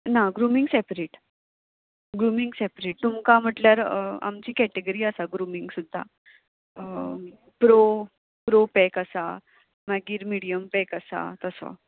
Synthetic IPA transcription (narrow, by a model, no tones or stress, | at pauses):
naɡɾumiŋɡsɛpɾeːʈ | ɡɾumiŋɡsɛpɾeːʈ̚t̪umkam̤əʈljaɾa̰mt͡ɕiːkɛʈeɡəɾiːəsaɡɾumiŋɡsud̪ʱːa̰ | pɾo | pɾopɛkəsa̰ | maɡiːɾmiɽijəmpɛkəsa̰t̪əsa̰